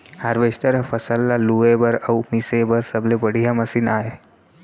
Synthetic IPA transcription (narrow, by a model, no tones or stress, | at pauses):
haɾʋesʈəɾfəsəlːaluebəɾəumisebəɾsəblebəɽ̤ijaməsiːnaɦe